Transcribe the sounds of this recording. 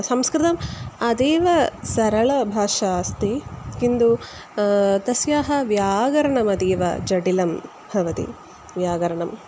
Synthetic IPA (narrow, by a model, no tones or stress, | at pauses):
sɐmskɾɪt̪ɐmɐd̪eːʋɐsɐɾɐɭɐbʱaːʂaːst̪ikind̪u | t̪ɐsjaːɦɐʋjaːɡɐɾɐɳɐmɐd̪iːʋɐ̰d͡ʒɐɽilɐm | bʱɐʋɐt̪ḭ | ʋjaːɡɐɾɐɳɐm